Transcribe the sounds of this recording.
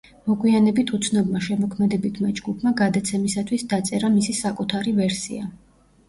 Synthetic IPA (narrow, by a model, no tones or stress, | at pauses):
mɔɡwianɛbit̪ʰut̪sʰnɔbmaʃɛmɔkʰmɛd̪ɛbit̪ʰmad͡ʒɡupʰmaɡad̪at̪sʰɛmisat̪ʰwisd̪at̪sʼɛɾamisisakʼut̪ʰaɾivɛɾsḭa